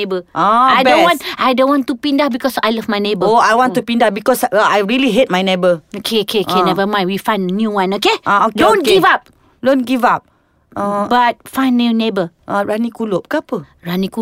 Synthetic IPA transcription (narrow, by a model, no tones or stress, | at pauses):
ebəaajdõnwɔ̃nʔajdõnwɔ̃ntupĩndahbikɔsajlavmajnebəoajwɔ̃ntupĩndafbikɔsajɹiliɦet̚majnebəokʰeokʰeokenɛvəmãjwifãj̃ndnjuwãnokeaokdõnɡivap̚ | dõnɡivap̚ | abat̚fãj̃nːinebəʔaɹanikulop̚kapə | ɹaniku